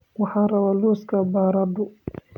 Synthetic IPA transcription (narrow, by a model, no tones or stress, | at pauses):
wɑħɑːrɐβaːluːskʰɐbaːɾɐd̪ʊ